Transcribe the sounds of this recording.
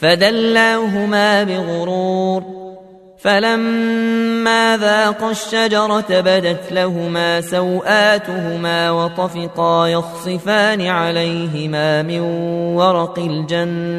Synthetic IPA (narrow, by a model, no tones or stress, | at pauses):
fad̪alːaːɦʊmaːbɪðʊɾuːɾ | falamː | aːðaːqɑʃːad͡ʒɑɾˤɑt̪abad̪at̪laɦʊmaːsawʔaːt̪ʊɦʊmaːwɑt̪ˤɑfɪqɑːjɑssˤːɨfaːnɪʕalajɦɪmaːmɪnwɑɾˤɑqɪld͡ʒanːa